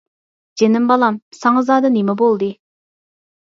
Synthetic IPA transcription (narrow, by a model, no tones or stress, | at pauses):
d͡ʒenɪmbɑlˠɑmsɑŋɑzɑːd̪ɑnemɛbolˠd̪ɨ